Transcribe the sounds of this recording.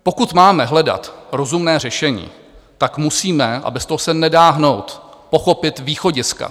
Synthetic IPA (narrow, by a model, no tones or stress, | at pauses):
po̞kut̪maːmɛɦlɛda̰t̪ɾo̞zumnɛːr̝ɛʃɛɲḭː | t̪akmusiːmɛʔa̰bɛst̪oɦosɛnɛdaːɦno̞wt̪po̞xo̞pɪt̪viːxo̞ɟɪska̰